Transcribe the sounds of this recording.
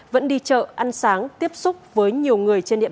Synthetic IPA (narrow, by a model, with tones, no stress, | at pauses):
və̰˧˥nɗi˧t͡ɕə̰ː˧˨ʔa˧nsaː˨˦ŋt̪i˦˥əp̚sʊ˦˥k͡p̚vəː˨˦jɲi˨˩əwŋɨ˨˩əjt͡ɕe˧nɗḭ˧˨˩